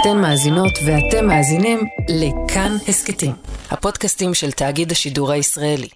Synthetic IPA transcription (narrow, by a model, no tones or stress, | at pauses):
ate̞mːaːzino̞tvehate̞mːaːzinimlekʰanhesketimha̰po̞dkastimʃeltaːɡidhaʃiduʁhaisʁae̞li